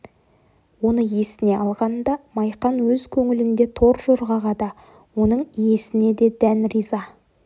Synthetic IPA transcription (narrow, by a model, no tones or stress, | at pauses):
wo̞nəje̞sɪne̞ɑlˠʁɑnd̪ɑmɑjqɑnwɵzkʲʰɵŋɪlɪnd̪e̞t̪ʰo̞ɾʒoɾʁɑʁɑd̪ɑ | wo̞nəɴije̞sɪne̞d̪e̞d̪ænrizɑ